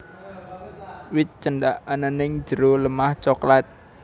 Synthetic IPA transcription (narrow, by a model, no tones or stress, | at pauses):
wɪt̪̚t͡ʃəɳɖaʔanənɪŋ̥d͡ʒ̥əɾoləmaht͡ʃɔklat̪̚